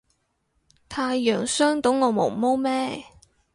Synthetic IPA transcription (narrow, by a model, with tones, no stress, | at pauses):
t̪ʰaː˧jːœː˨˩ŋsœː˥ŋt̪o˨˥wŋɔː˨˧mo̰˨˩mo˥wmɛː˥